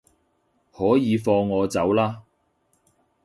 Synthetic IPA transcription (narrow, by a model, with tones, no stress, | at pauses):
hɔː˨˥jiː˨˧fɔː˧ŋːɔː˨˧t͡sɐ˨˥wlaː˥